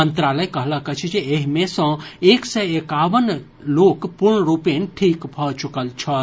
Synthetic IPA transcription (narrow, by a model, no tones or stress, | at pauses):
ənt̪ɾaləjkəɦləɦket͡ʃʰid͡ʒeeɦimesə̃eksɛekaʋən | lokpuɾɳəɾupenʈʰikbʱɔt͡ʃukəlt͡ʃʰə